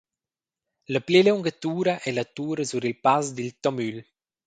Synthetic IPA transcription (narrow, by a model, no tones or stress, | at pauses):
ləpleleuŋɡat̪uːɾaʔɛlat̪uːɾəzuɾilpazd̪ilt̪ɔmyl